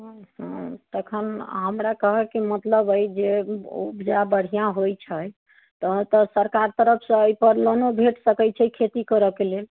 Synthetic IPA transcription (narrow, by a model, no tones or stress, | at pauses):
hə̃t̪əkʰənɦəmɾakəɦɛkimət̪ləbəjd͡ʒeṵbd͡ʒabəɽ̤ijãɦojt͡ʃʰəj | t̪ɔt̪ɔsəɾkaɾt̪əɾəpʰsə̃əjpəɾlonobʱeʈsəkɛjt͡ʃʰɛikʰet̪ikəɾəkelel